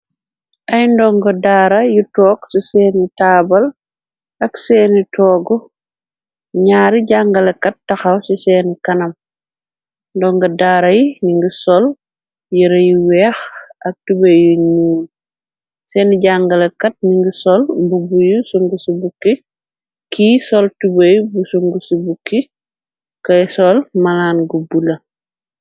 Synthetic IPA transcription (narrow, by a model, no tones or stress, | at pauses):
ʔɐjndɔŋɡɔdaːɾɐjutɔːksisɛːnitaːbɐl | ɐksɛːnitɔːɡɔ | ɲaːɾiɟaŋɡɐlɐkːɐt̚ːɐxɐwsisɛːnikɐnɐm | ndɔŋɡɐdaːɾɐjiniŋɡisɔl | jiɾɐjiwɛːxɐk̚tubɐjuɲuːn | sɛːnɟaŋɡɐlɐkɐt̚niŋɡisɔlbubujusuŋɡusibukːi | kisɔltubɐjbusuŋɡusibukːi | kɐjsɔlmɐlaːnɡubulɐ